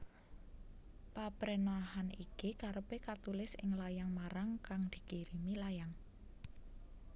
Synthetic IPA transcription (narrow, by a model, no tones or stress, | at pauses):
papɾenaɦanikikaɾəpekat̪ulɪsɪ̰ŋlajaŋmaɾaŋkaŋd̪̥i̤kiɾimilajaŋ